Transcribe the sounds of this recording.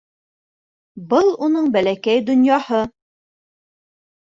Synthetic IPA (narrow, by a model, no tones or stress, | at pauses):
bɤlˠunɤɴbælækæjd̪ŏnjɑhɤ